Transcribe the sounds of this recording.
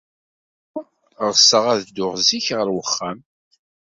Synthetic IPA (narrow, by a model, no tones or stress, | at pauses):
ʁsːəʁæðd̪ʊʁziçʁəɾwəχːæm